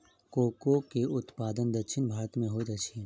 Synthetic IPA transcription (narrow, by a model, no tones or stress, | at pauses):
koːkokeʊt̪paːd̪ənd̪ɐkʃʰɪnbʱaːɾət̪mẽɦod̪ɐkʃʰin